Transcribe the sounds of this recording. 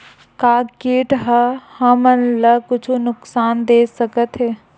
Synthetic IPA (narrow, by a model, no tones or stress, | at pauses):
kaːkeːʈɦəhəmənləkʊt͡ʃʰunʊksaːnd̪eːsəkət̪ɦɛː